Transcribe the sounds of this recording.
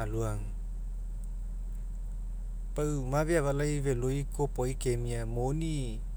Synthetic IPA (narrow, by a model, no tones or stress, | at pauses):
aluaŋ | pawmaviavalajvelojkopɔjkemiamoni